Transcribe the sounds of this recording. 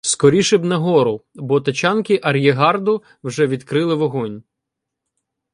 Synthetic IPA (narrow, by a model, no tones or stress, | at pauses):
skɔɾʲiʃɪbnɐɦɔɾʊbɔt̪ɐt͡ʃɑnkɪʔɐɾʲjeɦɑrd̪ʊ | wʒɛʋʲid̪kɾɪlˠɪʋɔɦɔnʲ